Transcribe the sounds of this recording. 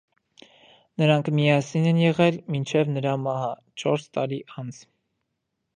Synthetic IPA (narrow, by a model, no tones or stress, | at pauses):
nəɾɑŋkʰmiɑsinɛnjɛʁɛlmint͡ʃʰɛvnəɾɑmɑhɑ | t͡ʃʰɔɾst̪ɑɾiʔɑnt͡sʰ